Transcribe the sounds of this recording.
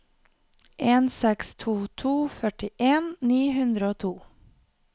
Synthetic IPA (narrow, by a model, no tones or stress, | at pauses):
ʔeːnsɛkst̪ʰuːt̪ʰuːfœʈɪʔeːnniːhʉnd̪ɾəoːt̪ʰuː